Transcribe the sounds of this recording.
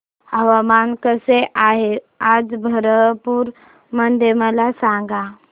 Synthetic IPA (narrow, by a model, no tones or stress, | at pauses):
ɦəʋamankəseʔaɦe | ad͡zbʱəɾəpuːɾ | mənd̪ʱeməlasãŋɡa